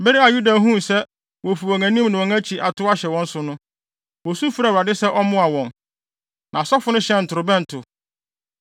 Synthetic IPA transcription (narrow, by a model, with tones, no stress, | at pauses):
be˦ɾi˦a˨ju˦da˨ɦũ˦˨sɛ˦ | wɔ˨fi˨wɔ˨ŋã˨nĩ˦mnʊ̃˨wɔ̃˨ŋæ̃˦t͡ɕʰi˨ʔa˨tʰʊ˦a˦ɕɛ˨wɔ̃˦n̩˦sʊ˨nʊ̃˦ | wɔ˨su˦fu˦ɾa˨wɾa˨dɪ˦sɛ˦ʔɔ˦mʊ̃˦a˨wɔ̃˨n | nʔã˨sɔ˦fʊ˨˦nʊ̃˦ɕɛ̃˦n̩˨tʰʊ˨ɾʊ˨bɛ̃˦n̩˨tʰʊ˨